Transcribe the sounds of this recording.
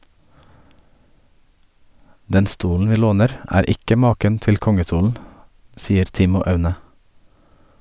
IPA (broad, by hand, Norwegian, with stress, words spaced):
ˈdɛn ˈstuːln̩ ˈʋiː ˈloːnəɾ ˈæːɾ ˈɪkə ˈmɑːkən ˈtɪl ˈkɔŋəˌstuːln̩ ˈsiːəɾ ˈtɪmʊ ˈɑʉnə